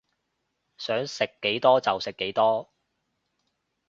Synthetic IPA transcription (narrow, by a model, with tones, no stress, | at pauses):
sœː˨˥ŋsɪ˨kːe˨˥jt̪ɔː˥t͡sɐ˨wsɪ˨kːe˨˥jt̪ɔː˥